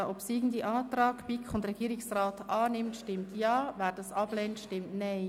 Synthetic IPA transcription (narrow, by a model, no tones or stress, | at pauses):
ʔɔpsiːɡn̩diʔɑːtrɑːɡb̥ikʰχʊndɾɛɡ̥iːɾɪksraːtɑːnɪmtʃtɪmtjɑːvɛːɾd̥ɑsɑblɛːntʃtɪmtnaɪ